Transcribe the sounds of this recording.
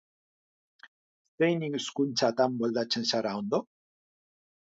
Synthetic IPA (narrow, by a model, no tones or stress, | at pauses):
st̪ejniŋskunt͡sat̪ambold̪at͡ʃensaɾawnd̪o